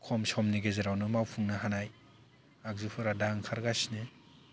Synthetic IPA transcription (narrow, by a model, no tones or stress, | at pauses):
kʰɔmsɔmniɡezeɾawnɯmawpʰɯŋnaɦanaj | ak̚zupʰɯɾadaŋkʰaɾɡasnɯ